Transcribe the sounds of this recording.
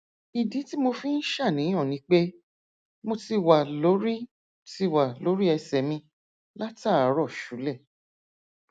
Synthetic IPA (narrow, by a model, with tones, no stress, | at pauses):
i˨dĩ˨˦ti˦mo˧fĩ˦n̩˦ʃa˦˨nĩ˨˦j̃ɔ̃˦˨nĩ˨˦k͡pe˦ | mo˧ti˧wa˨lo˨˦ɾi˦ | ti˧wa˨lo˨˦ɾi˦ɛ˧sɛ˨mĩ˧ | la˦ta˦˨˦ɾɔ˦˨ʃu˨˦lɛ˦˨